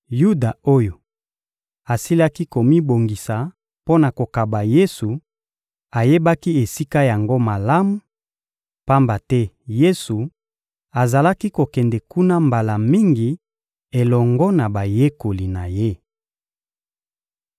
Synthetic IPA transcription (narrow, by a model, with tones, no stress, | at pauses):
ju˦da˨o˦jo˨ | a˨si˦la˦ki˦ko˨mi˦bo˨ŋɡi˨sa˨ | po˦na˨ko˨ka˨ba˨je˦su˨ | a˨je˦ba˦ki˦e˨si˦ka˦ja˨ŋɡo˦ma˨la˦mu˨ | pa˦mba˨tɛ˦ | je˦su˨ | a˨za˨la˦ki˦ko˨kɛ˨ndɛ˨ku˦na˦mba˨la˨mi˦ŋɡi˨ | e˨lɔ˨ŋɡɔ˦na˨ba˨je˦ko˨li˨na˨je˦